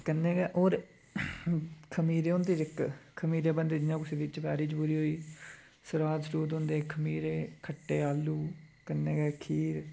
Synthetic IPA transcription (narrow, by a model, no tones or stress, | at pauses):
kənːẽːɡɛːʔoːɾ | kʰəmiːɾeːõnd̪iːɪkkʰəmiːɾeːbənd̪eːd͡ʒɪɲãːkʊseːʋɪt͡ʃʋɛːɾiːt͡ʃpuːɾiːɦoːiː | səɾaːd̪sɾuːt̪õːnd̪eːkʰəmiːɾeːkʰəʈːeːaːluːkənːeːɡɛːkʰiːɾ